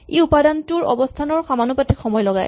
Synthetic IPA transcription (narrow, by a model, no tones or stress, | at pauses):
eupadantuɹɔ̰bɔstʰanɔɹxamanupatikxɔmɔjlɔɡa̰j